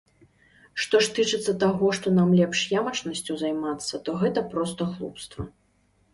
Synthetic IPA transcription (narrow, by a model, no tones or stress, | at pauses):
ʂt̪ɔʂt̪ɨt͡ʂɨt̪sːɐt̪aɣɔʂt̪ɔnamlʲɛpʂjamɐt͡ʂnɐsʲt͡sʲuzajmat̪sːɐt̪ɔɣɛt̪ɐpɾɔst̪ɐɣlˠṵpst̪vɐ